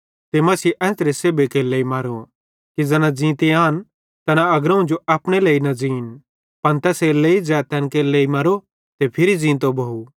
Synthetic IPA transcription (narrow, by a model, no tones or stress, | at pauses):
t̪emɐsiːʔɛ̃ːnsɾeseːbekeːleːimɐɾo | kid͡zɛnãd͡zĩːt̪eaːn | t̪ɐnaɐɡɾɐ̃ũd͡ʒoɐpɽ̃eleːinɐd͡zĩːn | pɐnt̪ɛːseleːid͡zɛːt̪ʰːɛnkeːleːimɐɾo | t̪epʰɪɾid͡zĩːt̪̬obʱɐu